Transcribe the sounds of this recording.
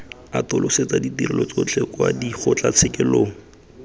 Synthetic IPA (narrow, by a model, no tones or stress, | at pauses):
atʊlʔʊset͡saditirɪlɔt͡sot͡ɬʰɛkwadiχʊt͡ɬat͡sʰɪkɪloːŋ̩